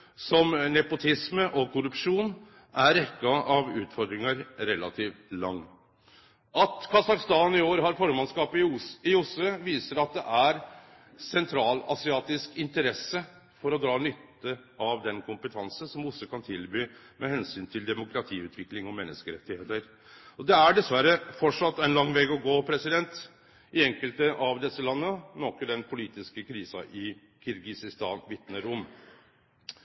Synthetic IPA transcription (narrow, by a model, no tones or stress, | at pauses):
sɔmnɛpʊt̪ʰɪsməʔɔkʰʊɾʉpʂuːn | ʔæɾɛkːɑɑʋʉːt̪fɔɾd̪ɾɪŋɑɾɾɛlɑt̪ʰiːʋlɑŋː | ʔɑt̪kʰɑsɑkst̪ɑːnɪoːɾɦɑɾfɔɾmɑnskɑːpɪɪʊsəʋiːsəɾɑt̪̚d̪ɛ̰ʔæɾ | sɛnt̪ʰɾɑːlɑsɪɑːt̪ɪskɪnt̪əɾɛsːə | fɔɾɔd̪ɾɑːnʏt̪ːəɑʋd̪ɛnkʰʊmpət̪ʰɑnsənsɔmʊsːəkɑnt̪ʰɪlbyː | mʔɛhɛnsyːnt̪ʰɪld̪ɛmʊkʰɾɑt̪ʰiːʉːt̪ʰʋɪklɪŋɔmɛnːəskəɾɛt̪ːɪheːt̪əɾ | ɔd̪ɛæɖɛsʋæɾəfɔʈʂɑt̪ːɛɪnlɑŋːʋɛːɡɔɡoːpʰɾɛsɪd̪ɛnt̪ | ɪɛŋkəlt̪əʔɑʋd̪ɛsːəlɑnːənɔkəɖ̪ɛnpʰʊliːt̪ɪskəkʰɾiːsɑ̰ʔɪ | kʰɪɾɡɪsɪst̪ɑːnʋɪt̪nəɾʊmː